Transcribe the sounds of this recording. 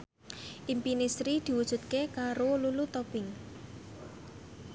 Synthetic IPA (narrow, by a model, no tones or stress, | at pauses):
ʔimpinisɾid̪̥i̤wud̥ʒ̥ṳt̪̚kekaɾolulut̪ɔb̥ɪŋ